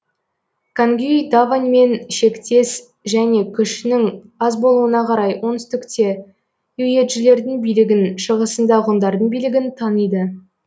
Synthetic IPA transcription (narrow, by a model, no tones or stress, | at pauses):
kʰaŋɡʲyid̪avanʲme̞nʃe̞kt̪e̞s | ʒæne̞kʲʰʏʃnɪŋɑzbo̞lˠuənɑqʰɑɾɑjwʔo̞nɪst̪ɪkt̪e̞ | ɵje̞t̪ʒɪle̞ɾd̪ɪŋbijlɪɡʲɪnʃəʁəsənd̪ɑʁʊnd̪ɑɾd̪əɴbijlɪɡʲɪnt̪ʰɑnəjd̪ə